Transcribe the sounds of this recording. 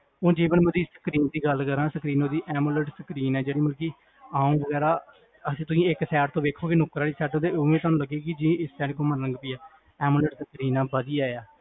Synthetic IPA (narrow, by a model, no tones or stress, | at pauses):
õːd͡ʒeːʋənməd̪iːsə̥kɾiːnd̪iːɡəlkəɾãːsəkɾiːnoːd̪iːʔɛːmuːləʈsəkɾiːnɛːd͡ʒeːɽiːməlkiː | aːũːʋəɡɛːɾaː | əsĩːt̪ʊsĩːɪksɛːʈt̪õːʋeːkʰoːkɪnʊkɾaːɽiːsɛːʈ̪õːt̪eːoːʋẽːt̪̬oaːnũːləɡːeːkɪd͡ʒĩɪssɛːʈkõːməɾə̃ŋɡpiːɛː | ɛːmuləʈsəkɾiːnãːbəd̪ijaːjaː